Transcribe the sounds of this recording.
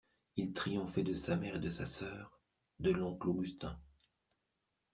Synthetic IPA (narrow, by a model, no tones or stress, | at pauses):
ilt̪χijɔ̃fɛd̪əsamɛʁed̪əsasœːʁ | d̪əlɔ̃kloɡyst̪ɛ̃